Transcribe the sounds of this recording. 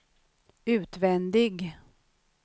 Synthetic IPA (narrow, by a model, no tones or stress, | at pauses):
ʉ̟ːt̪vɛnd̪ɪɡ